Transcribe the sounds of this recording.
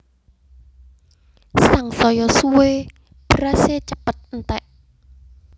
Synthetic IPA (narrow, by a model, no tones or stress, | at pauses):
saŋsɔjɔsuwe | b̥ɾaset͡ʃəpət̪̚nt̪ɛʔ